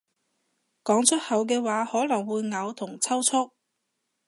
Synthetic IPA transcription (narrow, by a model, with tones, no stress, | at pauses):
kɔː˨˥ŋt͡ʃʰɵ˥t̚hɐ˨wk̬ɛː˧waː˨˥hɔː˨˥lɐ˨˩ŋwuː˨˧jŋɐ˨˧wt̪ʰʊ˨˩ŋt͡sʰɐ˥wt͡sʰʊ˥k̚